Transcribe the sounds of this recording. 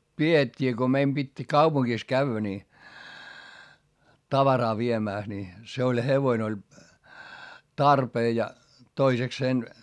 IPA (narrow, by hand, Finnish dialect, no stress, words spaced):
pietʲːiː ko meim b̥itʲ kɑupuŋkis kæy̆ʋːæ ni tɑʋɑrɑː ʋiemæˑs ni se olʲ heʋoin olʲ tɑrpeː jɑ toisekseːn